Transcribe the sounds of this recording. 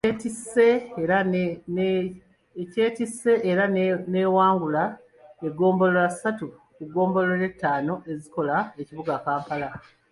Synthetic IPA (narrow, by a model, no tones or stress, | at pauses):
etisːe̞ɾan | ce̞ːtisːe̞ʔeɾane̞ːwaːŋɡula | eɡo̞ːmbo̞loɾasatukuɡo̞ːmbo̞loɾe̞tːaːno̞ʔe̞ziko̞lae̞ciβuɡakaːmpala